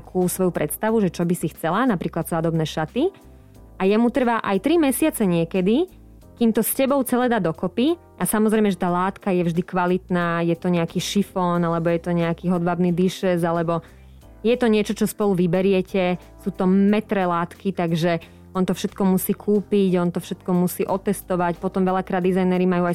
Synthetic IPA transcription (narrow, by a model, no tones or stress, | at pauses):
kʰuːsʋɔjupɾɛt̪st̪aʋuʒɛt͡ʃɔbisixt͡sɛlanapɾiːklad̪saːd̪ɔbnɛːʃat̪i | ajɛmut̪r̩ʋaʔajt̪ɾimɛsɪat͡sɛɲɪɛkɛd̪i | kiːmt̪ɔscɛbɔʊt͡sɛlɛd̪ad̪ɔkɔpi | ʔasamɔzɾɛjmɛʒɛt̪aːlaːt̪kajɛvʒd̪ikʋalit̪naːjɛt̪ɔɲɛakiːʃifɔnalɛbɔjɛt̪ɔɲɛakiːɦɔd̪ʋabniːd̪iʃɛzalɛbɔ | jɛt̪ɔɲɪɛt͡ʃɔt͡ʃɔspɔluʋibɛɾɪɛcɛ | suːt̪ɔmɛt̪ɾɛlaːt̪kit̪aɡʒɛ | ɔnt̪ɔfʃɛt̪kɔmusiːkʰuːpiɟɔnt̪ɔfʃɛt̪kɔmusiːʔɔt̪ːɛst̪ɔʋacpɔt̪ɔmʋɛʎakɾaːd̪ːizajnɛɾimajuaj